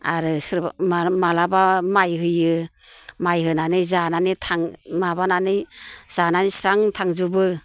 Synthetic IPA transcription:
a̰ɾɯsɾmamalabamajɦɯjɯ | majɦɯnanɯjzananitʰaŋmabananɯjz̥ananisɾaŋtʰaŋzubɯ

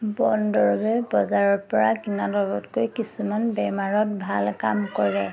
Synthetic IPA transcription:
bɔndɔɹɔbɛbɔzaɹɔɹpɔɹakinadɔɹbɔtkojkisumanbɛmaɹɔtbʱalkamkɔɹɛ

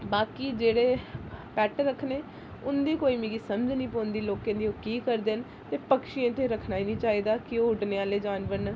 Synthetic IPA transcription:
baːkiːd͡ʒeːɽeːpɛːʈɾəkʰneː | ʊnd̪iːkoːiːmẽːɡiːsəmd͡ʒnĩːpoːnd̪iːloːkẽːd̪iːoːkiːkəɾd̪eːn | t̪eːpəkʃiẽːt̪eːɾəkʰnaːiːnĩːt͡ʃaːiːd̪aːkɪoʊʈneaːleːd͡ʒaːnʋəɾn

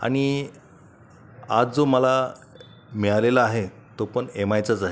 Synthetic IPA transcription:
a̰ɽ̃i | ad͡zd͡zoməla | mɛɭalelaːɦet̪opəɳemajt͡sad͡zaɦe

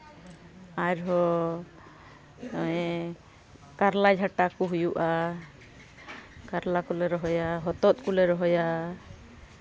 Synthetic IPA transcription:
aɾɦɔ | ɛ | kaɾlad͡ʒʱaʈakɔɦujuʔa | kaɾlakɔlɛɾɔɦɔjaɦɔt̪ɔt̪̚kulɛɾɔɦɔja

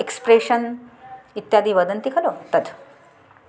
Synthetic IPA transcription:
ekspɾeɕən | it̪jad̪ʱiːʋəd̪ənt̪ikʰəlot̪əd̪

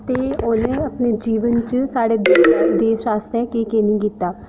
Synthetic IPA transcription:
t̪eːʊnẽəpneːd͡ʒiːʋənt͡ʃsaːɽeːd̪eːt͡ʃd̪eːʃɾaːst̪ɛkeːkeːnĩːkiːt̪ːaː

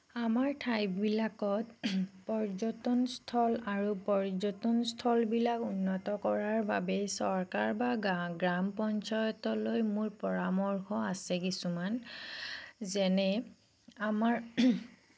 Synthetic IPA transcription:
amaɹtʰajpbilakɔtpɔɹzɔtɔnstʰɔlaɹupɔɹzɔtɔnstʰɔlbilakunːɔtɔkɔɹaɹbabɛsɔɹkaɹbaɡɹampɔnt͡ʃɔjɔtɔlojmʊɹpɔɹamɔɹxʰɔasɛkisuman | zɛnɛ | amaɹ

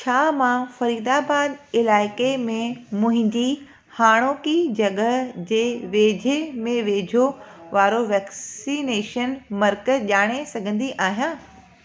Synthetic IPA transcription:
t͡ɕʰaːmãfɐɾiːd̪aːbaːd̪ɪlaːɪkemẽmʊ̃ɦɪ̃ɲd͡ʑi | haːɽ̃oːkid͡ʑɐɠəd͡ʑeːʋeːd͡ʑʱemẽʋeːd͡ʑʱoʋaːɾoʋɛːkssineːʃənmɐɾkəʄaːɽ̃esɐɡʱə̃nd̪iʔaːɦijãː

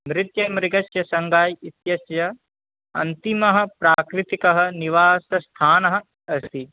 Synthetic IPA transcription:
mɾɪt̪jɐmɾɪɡɐʃjɐsɐŋɡaːjit̪jɐsjɐ | ɐ̰nt̪imɐɦɐ̆pɾaːkɾɪt̪ikɐɦɐ̆niʋaːsɐst̪ʰaːnɐɦɐ̆ | ɐsi

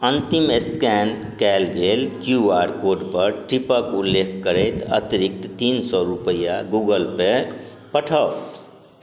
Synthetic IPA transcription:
ənt̪imeskɛn | kɛːlɡelkjuaɾkoɖpəɾʈɾipəkulːekʰkəɾɛt̪ə̰t̪iɾik̚t̪t̪insɔɾupəjaɡuɡəlpe | pəʈʰə

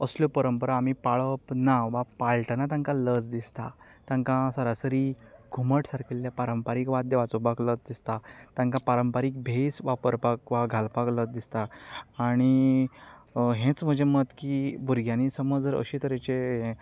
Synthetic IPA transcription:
əsljopəɾəmpəɾaːmipaɭəpnaʋapalʈənat̪ãŋkaləd͡zd̪ist̪a | t̪ãŋkãsəɾasəɾi | ɡʱuməʈsaɾkʰeljapaɾəmpaɾiːkʋad̪jəʋat͡sɔbakləd͡zd̪ist̪at̪ãŋkapaɾəmpaɾik̚bʱesʋapəɾpakʋaɡʱalpaklət͡sd̪ist̪aː | ɽ̃i | ɦẽt͡sm̤əd͡ʑʱemət̪kibʱuɾɡʱjãnisəmɔd͡zd͡zəɾə̰ɕit̪əɾet͡ɕeɦẽ

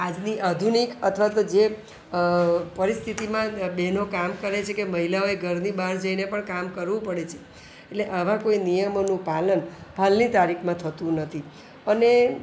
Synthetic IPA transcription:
ad͡ʒniʔad̪ʱunikət̪ʰʋat̪od͡ʒe | pəɾist̪ʰit̪imãɓenokamkəɾet͡ʃʰekeməɦilaoeɡʱəɾnibaɾd͡ʒəinepəɳkamkəɾʋũpəɽet͡ʃʰe̥ | etleʔəʋ̤ãkoinijəmonũpalənbʱalnit̪aɾikʰmãt̪ʰət̪ũnət̪ʰi | əne

